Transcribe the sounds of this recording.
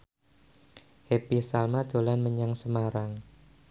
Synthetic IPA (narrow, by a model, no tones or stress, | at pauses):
hepisalmad̪̥o̤lanməɲaŋsəmaɾaŋ